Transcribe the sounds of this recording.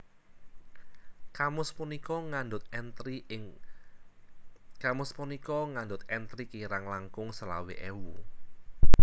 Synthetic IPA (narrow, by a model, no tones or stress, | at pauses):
kamʊspunikɔŋand̪ʊt̪̚ɛnt̪ɾiɪŋ | kamʊspunikɔŋand̪ʊt̪̚ɛnt̪ɾikiɾaŋlaŋkʊŋsəla̰wḛʔɛwu